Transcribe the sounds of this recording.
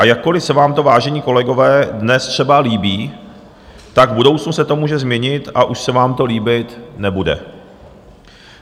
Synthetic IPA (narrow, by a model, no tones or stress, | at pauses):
ʔajakːo̞lɪfsɛvaːmt̪o̞vaːʒɛɲiːko̞lɛɡo̞vɛːdnɛst̪r̥ɛbaliːbiː | t̪aɡvbudo̞wt͡snusɛt̪o̞muːʒɛzmɲɛɲɪt̪ʔaʔuʃsɛvaːmt̪o̞liːbɪt̪nɛbudɛ̰